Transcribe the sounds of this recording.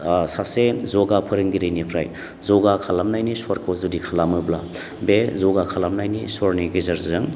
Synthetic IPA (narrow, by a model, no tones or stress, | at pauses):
sasezɔɡapʰɯɾɯŋɡiɾinipʰɾa̰j | zɔɡakʰalamnajnisɔɾkʰowzudikʰalamɯbla̰ | bezɔɡakʰalamnajnisɔɾniɡizaɾzɯŋ